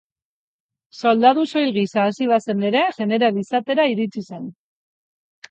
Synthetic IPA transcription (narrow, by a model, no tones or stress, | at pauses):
so̞ld̪aðuso̞jlɣisaːsiβ̞ase̞ne̞ɾe̞ʝe̞ne̞ɾalisat̪e̞ɾaiɾit͡sise̞n